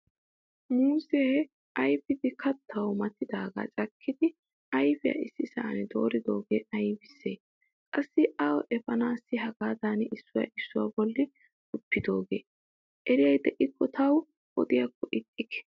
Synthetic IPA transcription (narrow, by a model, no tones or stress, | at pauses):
muːse | ʔɐjfɪd̪ɪkʰɐt̪ːɐwmɐt̪ːɪd̪aːɡa̰ːt͡ʃʼɐkʰːɪd̪ɪ | ɐjfɪjɐ̰ɪsːɪsɐ̰ʔːnɛd̪o̞̰ːɾɪd̪o̞ːɡeːɐjbɪsːeː | kʼɐsːɪʔɐwɔʔɛfɐnaːsːɪɦɐɡaːd̪aːnɪsːʊjɐ̰ʔɪsːʊwa̰bɔlːɪ | tʼʊpːɪd̪o̞ːɡḛː | ʔɛɾɪjɐjd̪ɛʔɪkːɔt̪ʰɐw | ʔɔ̰d̪ɪjɐkːɔʔɪt̪ʼːɪkɛ̥